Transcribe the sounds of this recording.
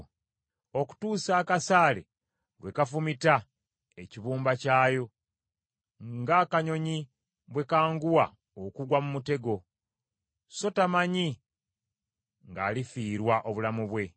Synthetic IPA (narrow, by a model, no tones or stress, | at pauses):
o̞ku̥tuːsaːkasaːlḛ | βwe̞kafumita | eciβuːmbacaːjo̞ | ŋɡaːkaɲo̞ɲi | βwe̞kaːŋɡuwa | okuɡwamumute̞ɡo̞ | so̞tamaɲi | ŋɡa̰ːlifiːɾwaʔo̞βulamuβwe̞